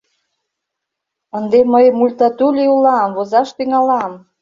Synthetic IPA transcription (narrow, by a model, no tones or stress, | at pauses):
ə̆nd̪eməjmulʲt̪ɑt̪ulʲiulɑmvozɑʃt̪yŋɑlɑm